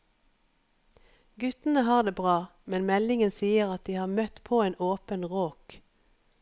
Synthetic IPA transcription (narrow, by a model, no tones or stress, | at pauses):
ɡʉt̪n̩əhɑːʁd̪eːbʁɑːmɛnmɛlɪŋənsiːəʁɑt̪̚d̪iːhɑːʁmœt̪pʰoːeːnʔoːpənʁoːk